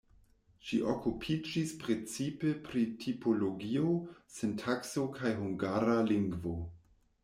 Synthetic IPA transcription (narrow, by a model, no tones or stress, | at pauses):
ʃiʔokupʰid͡ʒispɾe̞t͡sipepɾitʰipʰoloɡiosentʰakso̞kʰajɦuŋɡaɾaliŋɡvo